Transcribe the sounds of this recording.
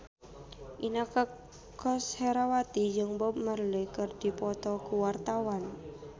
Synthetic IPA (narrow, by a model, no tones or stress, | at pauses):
ʔinakə | kɔsheɾawat̪id͡ʒɨŋbɔp̚mərlekɨrd̥ipɔt̪ɔkuwart̪awan